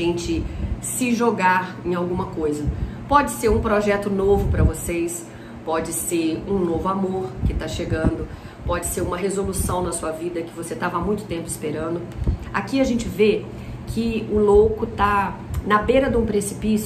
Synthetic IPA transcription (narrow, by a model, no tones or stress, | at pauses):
ẽnt͡ʃɪsɪʒoɡaɾẽj̃awɡũmɐkojzɐpɔd͡ʒɪseɾũpɾoʒɛt̪ʊnovʊpɾɐvosejs | pɔd͡ʒɪseɾũnovʊamoɾkɪt̪aʃeɡɐ̃nd̪ʊ | pɔd͡ʒɪseɾũmɐɦezolusɐ̃w̃nɐsuɐvid̪ɐkɪvoset̪avɐamũj̃t̪ʊt̪ẽmpʊɪspeɾɐ̃nd̪ʊa̰kiɐʒẽnt͡ʃɪve | kʰɪʊlowkʊt̪anɐbeɾɐd̪ũpɾesi̥pis